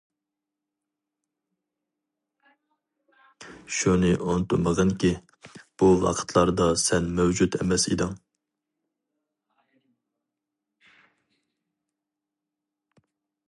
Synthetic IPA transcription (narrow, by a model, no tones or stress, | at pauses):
ʃunɨʔont̪uməʁənkʲi | b̥uwɑ̰qʰə̥t̪ʰlˠɑɾd̪ɑsɛnmɛwd͡ʒut̪ʰɛmɛsḭd̪ɨŋ